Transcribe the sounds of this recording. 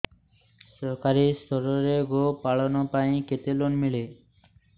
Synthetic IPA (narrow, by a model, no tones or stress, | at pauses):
ʃɔɾkaɾist̪ʰɔɾoɾeɡopaɭonopajket̪elonmiɭe